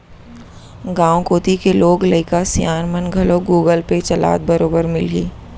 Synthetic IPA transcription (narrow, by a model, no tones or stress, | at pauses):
ɡãːõkoːt̪ikeloːɡlɐɪkasijaːnmənɡʱɐloɡuːɡəlpet͡ʃɐla̰ːt̪̚bɐɾoːbəɾmɪlɦiː